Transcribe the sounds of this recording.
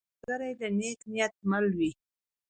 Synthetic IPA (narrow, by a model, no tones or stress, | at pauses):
əɾajd̪əneknijat̪̚malwi